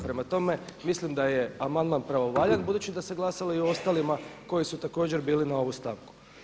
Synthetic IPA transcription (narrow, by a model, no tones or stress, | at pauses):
pɾe̞mat̪o̞me̞mislimd̪aje̞amand̪manpɾaʋo̞ʋaʎanbud̪uːt͡ɕid̪ase̞ɡlˠasaloioo̞st̪alimako̞jisut̪ako̞ːd͡ʑe̞ɾbiːlinao̞ʋust̪aʋku̥